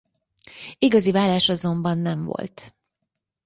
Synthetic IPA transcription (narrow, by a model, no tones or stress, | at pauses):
iɡɒzivaːlaːʃɒzo̞mbɒnːɛɱvo̞̰lt̪